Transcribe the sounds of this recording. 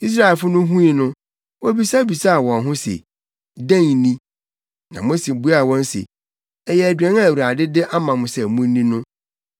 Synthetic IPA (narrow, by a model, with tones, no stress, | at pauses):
i˦s̬ɾa˦ɛ˨lfʊ˦nʊ̃˦ɦũ˦i˨nʊ̃˦ | wɔ˦bi˨˦sa˦bi˨sa˦a˨wɔ̃˨nɦʊ̃˦sḛ˨ | dæ̃˦˨ŋ˨nĩ˦ | nã˨mʊ̃˦sĩ˨bu˦a˦˨wɔ̃˦n˦sḛ˨ | ɛ˨jɛ˨æ˨dɥɛ̃˨˦n˦ã˦˨wu˨ɾa˨dɪ˦dɪ˦ʔa˦mã˨mʊ̃˨sɛ˨mũ˦n˦nːĩ˦nʊ̃˦